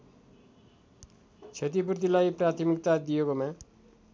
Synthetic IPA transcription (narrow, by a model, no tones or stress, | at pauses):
t͡ʃʰet̪̬ip̬uɾt̪̬ilajpɾat̪ʰimik̚t̪ad̪ijekomã